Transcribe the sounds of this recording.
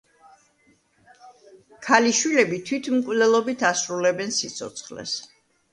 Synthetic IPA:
kʰaliʃwilɛbit̪ʰwit̪ʰmkʼvlɛlˠɔbit̪ʰasɾulɛbɛnsit̪sʰɔ̰t̪sʰχlɛ̰s

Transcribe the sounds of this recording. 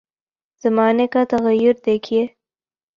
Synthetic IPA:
z̥ɐmɑːnekat̪ɐɣajʊɾd̪ekʰije

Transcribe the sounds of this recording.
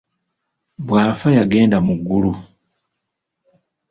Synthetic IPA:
βwaːfajaɡe̞ːndamuɡːulu

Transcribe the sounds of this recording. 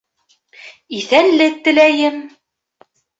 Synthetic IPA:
iθænlɘk̚t̪ɘ̆læjɘm

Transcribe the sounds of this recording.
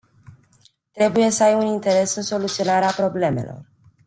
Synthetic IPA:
t̪ɾe̞buje̞səajunint̪e̞ɾe̞sɨnso̞lut̪sio̞naɾeapɾo̞ble̞me̞̰lo̞̰r

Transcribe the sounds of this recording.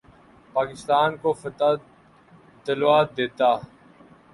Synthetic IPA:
paːkɪst̪aːnkofət̪a | t̪ɪlwaːt̪̚d̪eːt̪aː

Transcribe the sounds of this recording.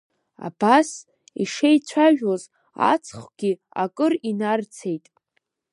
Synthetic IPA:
a̰bas | iʂejt͡ɕʷʰaʒᶣwoz | a̰t͡sʰχʷɡ̥ʲi | a̰kʼɨrinart͡sʰe̞jtʼ

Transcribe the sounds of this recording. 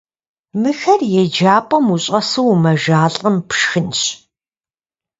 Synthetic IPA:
mɨxɐrjɛd͡ʒaːpʼɐmuɕʼɐsɨwmɐʒaːɬʼəmpʰʃxɨnɕ

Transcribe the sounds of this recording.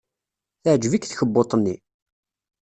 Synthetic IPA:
θəʕd͡ʒvikθçəbːot̪ˤənːi

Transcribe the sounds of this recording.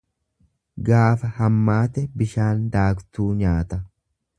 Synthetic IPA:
ɡaːfɐhɐmːaːt̪ɛbɪʃaːnd̪aːkt̪uːɲaːt̪ɐ

